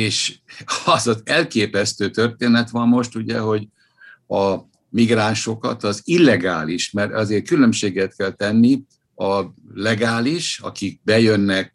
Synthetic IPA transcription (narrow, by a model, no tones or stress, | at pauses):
eːʃɒzɒzɛlkeːpɛst̪øːt̪ørt̪eːnɛt̪ʋɒmːo̞ʃt̪uɟɛ̰ɦo̞ɟ | ɒ | miɡraːnʃo̞kɒ̰t̪ɒzilːɛɡaːliʃmɛɾɛzeːrkylø̞mʃeːɡɛt̪̚kɛlt̪ɛnːi | ɒlɛɡaːliʃɒ̰kik̚bɛjønːɛk̚